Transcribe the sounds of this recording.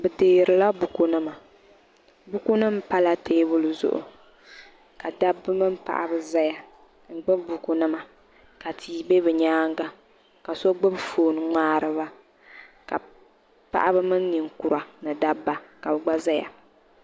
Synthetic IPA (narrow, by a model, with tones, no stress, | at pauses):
bɛ˨deː˨ɾɨ˨la˦bu˨ku˦nɨ˦ma˨ | bu˦ku˦nɨ˦m˦pa˦la˦tʰeː˦bʊ˦lɨ˨zʊ̰˦ʔʊ̰˨ | ka˨da˦bːɨ˦mɨ˦m˦pa̰˨ʔa̰˨bɨ˦za˦ja˨ | ŋ̩˨ɡ͡bɨ˦bbu˨ku˦nɨ˦ma˨ | ka˨tʰiː˨˦be˦bɨ˨ɲaː˦ŋ˦ɡa˦ | ka˨so˦ɡ͡bɨ˦bfoː˨nɨ˨˦ŋaː˦ɾɨ˦βa˦ | ka̰˨ | pa̰˦ʔa˦bɨ˦mɨ˦nː˦i˨ŋku˨ɾa˨nɨ˨da˦bːa˦ka˨bɨ˨ɡ͡ba˦za˦ja̰˨